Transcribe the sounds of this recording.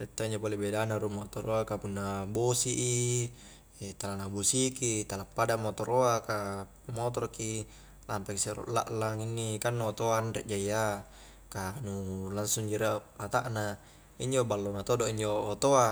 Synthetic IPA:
rɛt̪ːoiɲd͡ʒopolebedanaɾumot̪oɾoakapunːabosiʔi | t̪alanabosikit̪alapːadamot̪oɾʔoaka | mot̪ɔɾki | lampɛkseɾo̰ʔla̰ʔlaŋinːikanːuot̪oanrɛ̰ʔd͡ʒaija | kanulansuŋd͡ʒiɾapat̪a̰ʔna | iɲd͡ʒobalːonat̪odoʔiɲd͡ʒoːt̪oa

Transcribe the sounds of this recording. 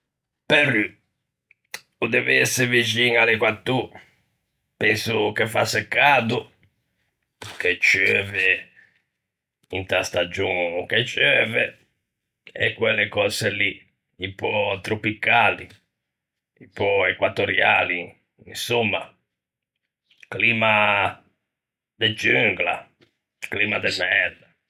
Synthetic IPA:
pɛrːy | ud̪ɛviɛsːɪvid͡ʒiŋalɛkwat̪ːu | pɛnsukefasɛkːaːd̪u | ket͡ʃːøːvɛ | int̪ast̪ad͡ʒuŋkɛt͡ʃːøːvɛ | ɛ̰kwɛlːɛkɔsɛlːi | impːɔt̪ɾopikaːli | ipɔɛkwat̪oɾja̰ːli | insɔmːa | kliːma | d̪ɛd͡ʒyŋɡla | kliːmad̪ɛmɛɾd̪a

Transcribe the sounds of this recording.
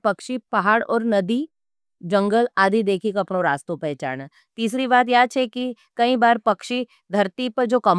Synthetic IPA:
pɐkʃipaɦaːɽɔ̰ːɾnɐd̪i | d͡ʒɐ̃ŋɡəlaːd̪ʱid̪eːkʰikoɐpnoɾaːst̪õpɛɦt͡ʃa̰ːna | t̪iːs̬ɾibaːt̪jaːt͡ʃʰɛki | kɐĩbaːɾpɐkʃi | d̪ʱɐɾt̪ipɐɾd͡ʒoːkɐm

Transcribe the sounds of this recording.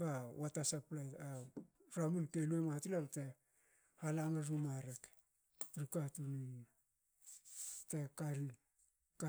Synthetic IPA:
bawatasaplaja | ɾamunteluematilamte̞ | halaŋaɾumaɾek | ɾikatunin | te̞kaɾi | ka

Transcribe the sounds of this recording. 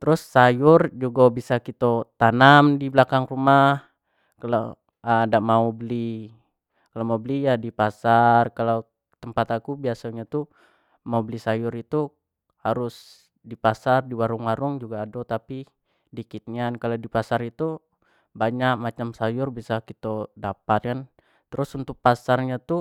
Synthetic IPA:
t̪əɾʊsːajʊrd͡ʒuɡabisakit̪ot̪anamdiblakaŋrumah | kala̰ | daʔmaubəli | kalomaubəlijadipasarkalaw | t̪əmpat̪akubiasaɲat̪u | maubəlisajʊɾit̪u | haɾʊs | dipasardiwaɾʊŋwaɾʊŋd͡ʒuɡaːdot̪api | dikit̪̚ɲiankaladipasaɾit̪u | baɲak̚mat͡ʃamsajʊrbisakit̪odapat̪̚kan | t̪əɾʊsunt̪ʊk̚pasarɲat̪u

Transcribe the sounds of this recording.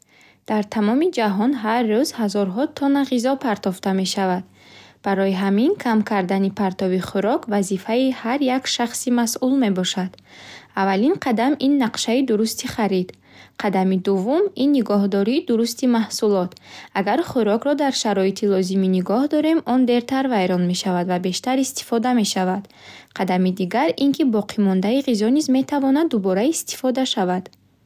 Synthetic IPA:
d̪̥aɾt̪ʰamɔmid͡ʒaɦɔnɦarːuzhazɔɾɦɔt̪ʰɔnaʁizɔpʰaɾt̪ʰɔft̪ame̞ʃavad̪̚ | b̥aɾɔjiɦaminkʰamkʰaɾd̪anipʰaɾt̪ɔbiχuɾɔkvazifaihaɾjakʃaχsimasʔulme̞bɔʃad̪̥avalinqʰad̪aminːaqʃaid̪uɾust̪ʰiχaɾid̪̥ | qʰad̪amid̪uvːuminːiɡɔɦd̪ɔɾiːd̪uɾust̪imahsulɔt̪aɡaɾχuɾɔkɾɔd̪aɾʃaɾɔit̪ʰilɔziminiɡɔhd̪ɔɾe̞mɔnd̪e̞ɾt̪ʰaɾvajɾɔnme̞ʃavad̪vabe̞ʃt̪aɾist̪i̥fɔd̪ame̞ʃavad̪̥ | qʰad̪amid̪iɡaɾiŋkʰibɔqʰimɔnd̪aiʁizɔnizme̞t̪ʰavɔnad̪ːubɔɾaist̪i̥fɔd̪aʃavad̪

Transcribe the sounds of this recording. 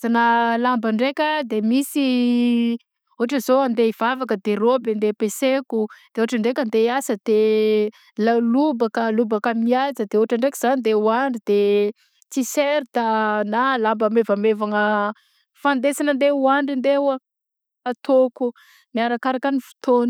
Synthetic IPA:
zanəlambəɳɖ͡ʐekʲəd̪emisi | uɦaʈ͡ʂəzoand̪eiv̥avakəd̪eɾobend̪epesekud̪̥euɦaʈ͡ʂəɳɖ͡ʐekʲand̪easəd̪̥e | lalubakəlubakəmiazəd̪euɦaʈ͡ʂaɳɖ͡ʐekiz̥anind̪euaɳɖ͡ʐid̪e | t͡siseɾt̪analambəmevamevaŋə | fand̪esanənd̪euaɳɖ͡ʐind̪ewə | at̪oku | miaɾakaɾakanifu̥t̪oni

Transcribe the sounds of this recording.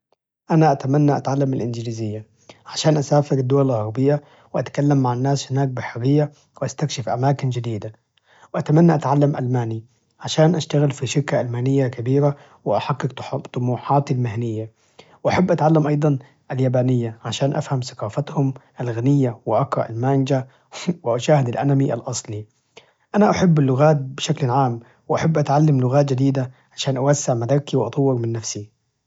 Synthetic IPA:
ʔanaʔat̪amanːaʔat̪ʕalːamɪlʔɪnd͡ʒliːzɪjːa | ʕaʃaːnʔasaːfɪɾɪd̪ːʊwalɪlɣɑɾˤbɪjːa | wɪʔat̪kalːamːaʕanːaːshɪnaːk̚bɪħɪɾːɪjːa | wɪʔast̪akʃɪfʔa̰maːkɪnd͡ʒɪd̪iːd̪a | wɪʔat̪amanːaʔat̪ʕalːamʔalmaːni | ʕaʃaːnʔaʃt̪aɣɪlfiʃɪɾkaʔalmaːnɪjːakabiːɾa | wɪʔaħakːɪkt̪ˤʊmuːħɑːt̪almɪhnɪjːa | wʔaħabːʔat̪ʕalːamʔɑjd̪ˤɑn | ʔaljaːbaːnɪjːaʕaʃaːnʔa̰fhamsḁqɑːfat̪hʊmʔalɣanɪjːawɪʔakɾˤɑʔa̰lmaːnd͡ʒa | wɪʔaʃaːhɪd̪alʔanamiʔa̰lʔɑsˤli | ʔanaʔaħɪbːɪlːʊɣaːt̪̚bɪʃaklʕaːm | wɪʔaħabːʔat̪ʕalːamlʊɣaːt̪d͡ʒɪd̪iːd̪aʕaʃaːnʔawasːɪʕmad̪akːiwʔɑt̪ˤʊwːɪɾmɪnːafsi

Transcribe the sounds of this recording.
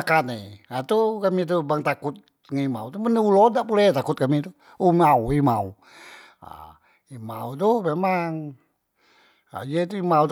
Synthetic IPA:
akaneat̪ukamit̪̬ubaŋt̪akʊt̪̚ | ŋaima̰uwt̪umənəulodaʔpulɛht̪akut̪̚kamit̪u | umauima̰u | a̰ | ima̰ut̪̬uhmemaŋ | a̰d͡ʒet̪uimawt̪

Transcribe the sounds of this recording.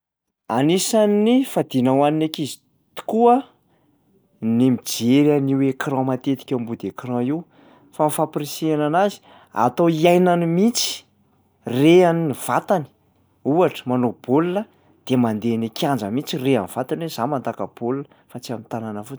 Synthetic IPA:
anisanifad̪inawaninekizi̥ | t̪u̥kuə | nemid͡ʒeɾaniwekiɾɔ̃mat̪et̪i̥kʲambud̪ekirãiw | famifapɾisiananazi̥ | a̰t̪owiajnanimit͡si̥ | reaniniv̥at̪ani̥ | uaʈ͡ʂə̥manob̥olunə | d̪̥emand̪enekiãnd͡ʒəmit͡sireaniv̥at̪anwezamand̪akəb̥olunə | fat͡siamit̪ananəfut͡s

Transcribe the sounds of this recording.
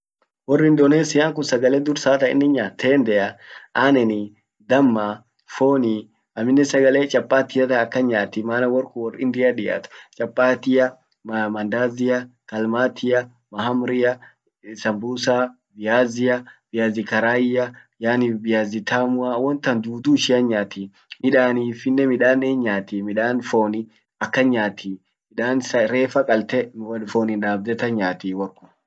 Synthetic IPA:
wɔrːɪnd̪oneːsɪjaːŋkʊnsɐɡɐleːd̪ʊɾsaːt̪ɐɪ̰nːɪɲːaːt̪ʰːeːnd̪ɛjɐʔaːnɛnɪ | d̪ɐmːa | foːni | ɐmɪnːɛsɐɡɐleːt͡ʃʼɐpʼːaːt̪ɪjɐt̪ɐɐkːɐɲaːt̪ːɪmaːnɐwɔɾkʊwɔrɪnd̪ɪjɐᶑɪja̰t̪ʊ̥t͡ʃʼɐpʼːaːt̪ɪjɐ | mmɐnd̪aːzɪjɐkɐlmaːt̪ʰɪjɐ | mɐɦɐmɾɪjɐ | sɐmbuːsa | bɪjaːzɪjɐb̥ɪjaːzɪkɐɾaːjɪjɐ | jaːnɪbɪjaːzɪt̪ʰaːmʊawɔnt̪ɐnd͡ʒ̪uːd̪uːʃɪjɐɲaːt̪iː | mɪᶑaːniːfɪnːɛmɪᶑaːnɛɲːaːt̪iːmɪᶑaːnfoːnɪ | ɐkːɐɲaːt̪iː | mɪᶑaːnsɐɾeːfɐkʼɐlt̪ɛwɐlfoːnɪnᶑaːb̚d̪ɛt̪ɐɲaːt̪iːwɐɾkʼʊ̥m

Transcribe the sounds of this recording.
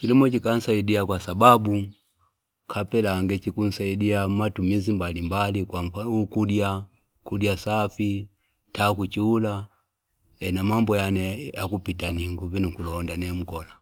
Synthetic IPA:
kilimɔt͡ʃikan̩saidiakwasababu | kʰapɛlaŋɡɛt͡ʃikun̩saidiamatumizimbalimbalikwafaukudja | kudjasafi | takut͡ʃiula | ɛnamambɔjanɛakupitaniŋɡuvinukulɔndanɛm̩kɔla

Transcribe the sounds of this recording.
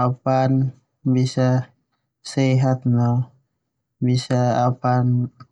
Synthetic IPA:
apan | bisa | sɛɦat̪̚nɔ | bisaːpan

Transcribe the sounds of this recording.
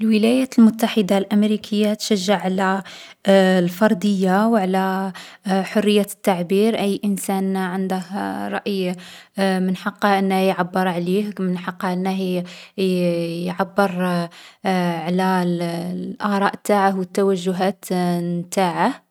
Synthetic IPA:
ʔlwəlæjæt̪lmʊt̪ːaħəd̪alʔæmɾikʰəjːat̪ʃæʒːaʕʕalæ | lfɑɾˤd̪əjːawʕlæ | ħʊrːəjːat̪ːaʕbiɾʔəjːʔənsænʕənd̪əhɾˤɑ̰ʔj | mənħɑqːɑʔənːæhjʕabːəɾˤʕlihmənħɑqːʔənːəh | jʕabːəɾ | ʕlælʔɑɾˤɑːʔt̪ːaʕahwət̪ːæwæʒːʊɦæt̪mt̪aʕah

